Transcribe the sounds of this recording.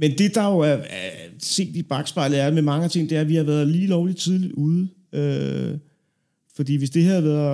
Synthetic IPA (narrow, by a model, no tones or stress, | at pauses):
mend̥e̝d̥ɑ̈jo̝æɐæse̝̰ːd̥ib̥ɑ̈ɡ̥sb̥ɑ̈ɪ̰lð̩ˠæɐmemɑ̈ŋəæt͡sʰe̝ŋ̰d̥e̝æɐʋihɑ̈ʋæːɐðˠliːlɒʊli̥t͡sʰið̞ˠlid̥uːð̞ˠ | ø | fɒ̽d̥ḭːʋe̝sd̥e̝ɦæðˠʋæɐðˠ